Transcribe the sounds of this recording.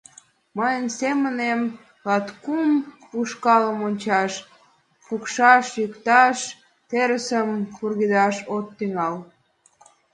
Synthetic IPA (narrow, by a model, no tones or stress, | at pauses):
məjənsemənem | lɑt̪kum | uʃkɑləmonʲt͡ɕɑʃ | pukʃɑʃjykt̪ɑʃ | t̪eɾəsəmkurɣid̪ɑʃot̪ːyŋɑl